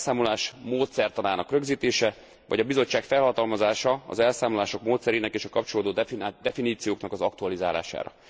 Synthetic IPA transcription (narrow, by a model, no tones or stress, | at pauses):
saːmolaːʃmoːt̪sɛrt̪ɒnaːnɒkrø̞ɡziːt̪eːʃɛ | vɒɟɒbizo̞t͡ʃːaːkfɛlɦɒt̪ɒlmɒzaːʃɒɒ̰zɛlsaːmolaːʃo̞kmoːt̪sɛɾeːnɛkeːʃɒkɒp̚t͡ʃoloːd̪oːd̪ɛfiniːt̪sijoːknɒkɒzɒk̚t̪uɒlizaːla̰ːʃa̰ːɾɒ̰